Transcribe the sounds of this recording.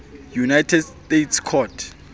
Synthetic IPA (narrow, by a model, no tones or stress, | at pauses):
junajtʰɛdstetʰskʰɔtʰ